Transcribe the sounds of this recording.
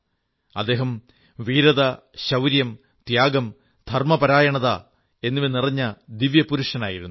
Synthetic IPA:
ɐd̪ːe̞ːɦɐm | ʋiːɾɐðɐ | ɕɐwɾjɐm | t̪jaːɡɐm | d̪ʱɐrmɐpɐɾaːjɐɳɐða | e̞nːiʋinirɐɲːɐd̪iʋjɐpuɾuʂɐnaːjiɾunːu

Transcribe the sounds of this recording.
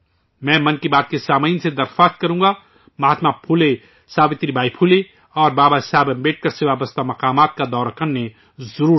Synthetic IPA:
mɛ̃ːmɐnkibaːt̪̚kesaːmaɪnsed̪ɐɾxaːst̪̚kɐɾũːŋɡa | mɐɦaːt̪mapʰuːle | saːbɪt̪ɾibʱaːipʰuːle | ɔːɾbaːbaɦɪsaːbɐ̃mbeːʈ̚kɐɾseʋaːbəst̪ʰamɐqaːmaːt̪̚kad̪ɔːɾakɐnnẽ | zɐɾuːɾ

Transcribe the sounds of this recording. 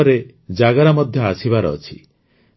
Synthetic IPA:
ɔɾe | d͡ʒaɡaɾamɔd̪ʱjɔasʰibaɾɔ̰ːt͡ʃʰi̥

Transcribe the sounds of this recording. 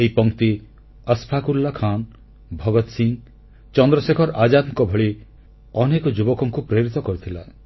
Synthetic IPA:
eipɔŋt̪i | əspʰakulːakʰan | bʱɔɡɔt̪siŋ | t͡ʃɔnd̪ɾɔsekʰɔɾad͡ʒad̪mkɔbʱɔɭi | ɔnekɔd͡ʒubɔkɔŋkupɾeɾit̪ɔkɔɾit̪ʰila

